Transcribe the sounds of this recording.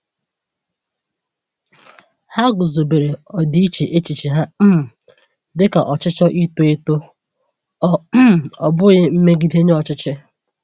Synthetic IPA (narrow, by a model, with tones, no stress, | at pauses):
ha˦ɡʊ˨zo˨be˨ɾe˨ɔ˨di˦i˦t͡ʃe˨ʔe˦t͡ʃi˨t͡ʃi˨ɦa˦m̩˦m˨ | dɪ˦ka˨ʔɔ˨t͡ʃɪ˦t͡ʃɔ˦ʔi˦to˦ɪ˦to˦ | ɔ˦˨ɔ˨bʊ˦ɣɪ˦m̩˦me˦ɡi˦de˦ɲe˦ɔ˨t͡ʃɪ˦t͡ʃɪ˦